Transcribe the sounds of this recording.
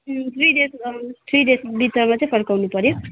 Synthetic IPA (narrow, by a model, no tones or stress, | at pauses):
t̪ʰrijdest̪ʰɾijdesbit̪ʌmat͡saj̃pʰʌrkawnupʌɾjo